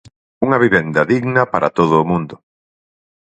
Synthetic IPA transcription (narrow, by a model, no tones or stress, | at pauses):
uŋɐβiβend̪ɐðiɣnɐpaɾʔat̪oðʊːmũnd̪ʊ